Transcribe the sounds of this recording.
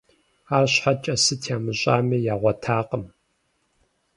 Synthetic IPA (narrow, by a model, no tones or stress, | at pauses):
aːrɕħat͡ʃʼɐsɨtʰjaːmɨɕʼaːmiːjaːʁʷɐtʰaːqəm